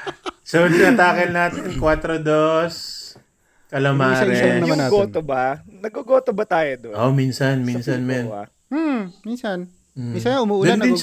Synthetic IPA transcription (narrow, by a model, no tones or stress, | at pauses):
solɪnɐt̪aːkɐlnaːt̪ɪnkwat̪ɾod̪os | kɐlɐmaːɾɛɐmɐaɡoːt̪obɐnɐɡoɡoːt̪obɐt̪aːjod̪ʔominsɐnminsɐnmɛna̰ | m̩minsɐn̩ | sʊmuːd̪ɛnd̪ɪn